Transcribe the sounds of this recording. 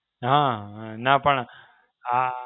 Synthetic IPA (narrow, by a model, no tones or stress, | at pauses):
ɦãnapɐɳ | a